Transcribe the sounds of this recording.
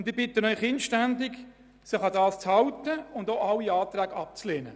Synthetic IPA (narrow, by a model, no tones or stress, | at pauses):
ʊndɪbɪtənœʏχɪnʃtændɪɡ | sɪχɑdɑːst͡shɑwtəʊndoɑlːiɑːt̪ræːɡɑp̚t͡sleːnə